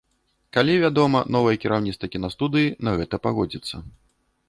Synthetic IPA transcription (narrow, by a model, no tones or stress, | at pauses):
kalʲivʲad̪ɔmɐnɔvɨjɛkʲiɾawnʲit̪t̪vɐkʲinast̪ud̪ɨjinɐɣɛt̪ɐpaɣɔd͡zʲit̪sːɐ